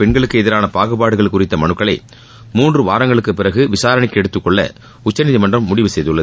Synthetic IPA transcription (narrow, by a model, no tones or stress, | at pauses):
pɛɳɡɐɭɯkːɯɛðɪɾaːnɐpaːɣɯpaːɽɯɣɐɭkːʊrɪt̪ːɐmɐnɯkːɐɭɐɪ | muːndrɯʋaːɾɐŋɡɐɭɯkːɯpɪrɐɣɯʋɪsaːɾɐnɪkːɛɽɯt̪ːɯkːɔɭːɐ̰ | ʊt͡ʃːɐnɪðimɐndrɐmːʊɽɪʋɯsɛjðɯɭːɐ